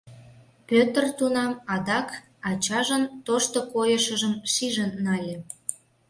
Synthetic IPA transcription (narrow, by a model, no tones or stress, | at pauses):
pʲøt̪ərt̪unɑmɑd̪ɑk | ɑt͡ɕɑʒənt̪oʃt̪okojəʃəʒəmʃiʒənːɑlʲĕ